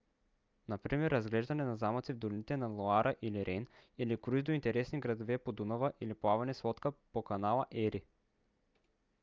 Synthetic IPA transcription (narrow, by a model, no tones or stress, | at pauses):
nɐpɾimɛɾːɐzɡlɛʒd̪ɐnɛnɐzamɐt̪sivd̪olinit̪ɛnalˠoaɾʔəʔiliɾʔɛnilikɾuizd̪oint̪ɛɾɛsniɡɾɐd̪ovɛpod̪unəvəʔiliplˠavɐnɛslˠɔt̪kəpokɐnalˠɐʔɛɾi